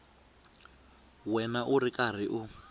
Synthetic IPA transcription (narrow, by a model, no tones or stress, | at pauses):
wɛnaʔuɾikar̤iʔu